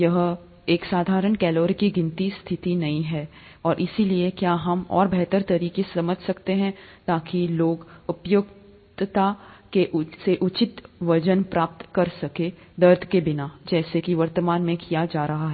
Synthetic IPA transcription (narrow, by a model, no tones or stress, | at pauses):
jɐɦ | eːksaːd̪ʱaːɾəɳkɛːloːɾkiɡɪ̃nt̪ist̪ʰɪt̪inɐĩɦɛː | ɔːɾʔɪsiliekjaːɦɐmɔ̰ːɾbʱɛɦt̪əɾt̪ɐɾiːkesɐməd͡ʒʱsɐkt̪eɦɛ̃t̪aːkiloːɡʊpjʊk | t̪t̪akeʔseʔʊt͡ʃɪt̪ʋɐd͡ʒənpɾaːp̚t̪kɐɾsɐke | d̪ɐɾd̪ʱkebɪnad͡ʒɛːsekiʋɐɾt̪əmaːnmẽkijad͡ʒaːɾɐɦaɦɛː